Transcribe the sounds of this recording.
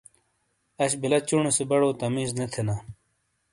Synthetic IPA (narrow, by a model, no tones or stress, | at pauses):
ɐɕbilɐt͡ɕuɳesebɐɽoːt̪ɐmiːznet̪ʰena